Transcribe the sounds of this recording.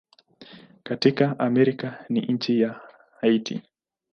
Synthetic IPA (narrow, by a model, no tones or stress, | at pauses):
katikaʔamɛɾikanḭɲ̩t͡ʃija | aitḭ